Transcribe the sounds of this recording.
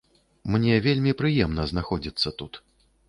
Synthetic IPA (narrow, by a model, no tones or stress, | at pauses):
mnʲɛvʲelʲmʲipɾɨjɛmnɐznaxɔd͡zʲit̪sːɐt̪ut̪